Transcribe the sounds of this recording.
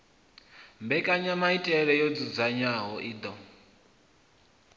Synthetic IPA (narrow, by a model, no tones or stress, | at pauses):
mbɛkʼaɲamaitʼɛɺɛjod͡zud͡zaɲaɦɔʔiːd̪ɔ